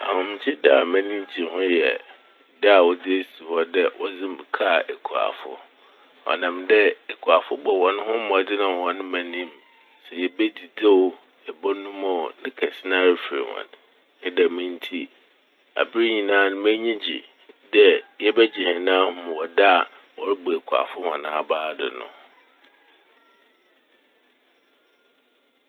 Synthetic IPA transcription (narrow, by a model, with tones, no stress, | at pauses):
a̰˨hʊ̃˨m̩̃˨t͡ɕʰɪ˦da˦a˨mæ̃˦nĩ˦m˦tʰi˨hʊ̃˦jɛ̰˨ | da˦a˨wɔ˨dɪ˦e˦si˨hɔ˦dɛ˦wʔɔ˦d͡zɪ̃˦mbkʰa˦˨ʔɛ˨kʰu˨a̰˨fʊ̰˦ | ɔ̰˨nã˨mdɛ˦ɛ˨kʰu˨a˨fʊ˦bɔ˨wɔ̃˨˦nʊ̃˦ɦʊ̃˦mʊ̃˨dɪ˦nã˨wɔ̃˨nʊ̃˦mæ̃˨nĩ˦m | sɛ˨jɛ˨bɛ˦di˨de˦o˦ | ɛ˨bɔ˦nʊ̃˦mɔ˦˨nɪ̃˦kʰɛ˨sɪ˦nã˦ɾɪ˨fɾɪ̰˨wɔ̰̃˨n | ɛ˦dɛ˨mɪ̃˦n˦tʰi˦ | a̰˨bɪ˦ɾi˦ɲĩ˨nãː˦nʊ̃˦m˦æ˦ɲĩ˦d͡ʑḭ˨ | dɛ˦jɛ˦bɛ˦d͡ʑi˨hɛ̃˨nã˦hʊ̃˦m̃˨wɔ˨da˦a˨ | wɔ˨ɾɪ˦bo˨e˨kʰu˨a̰˨fʊ˦hɔ̰̃˨nãː˦a˨baː˦dɪ̰˨nʊ̰̃˨